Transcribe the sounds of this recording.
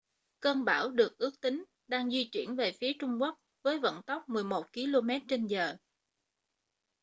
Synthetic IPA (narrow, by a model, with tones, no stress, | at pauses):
kəː˧nɓaː˧˩wɗɨ˨˩ək̚ʔɨ˦˥ək̚t̪ï˨˦ŋ̟ | ɗaː˧ŋzwi˧t͡ɕwḭ˧˩ənve˨˩fi˨˦ət͡ɕʊ˧ŋ͡mku˦˥ək̚ | vəː˨˦jvə̰˧˨nt̪ɔ˦˥wk͡p̚mɨ˨˩əjmo˨˩t̚ki˧lo˧mɛ˦˥t̚t͡ɕe˧nzəː˨˩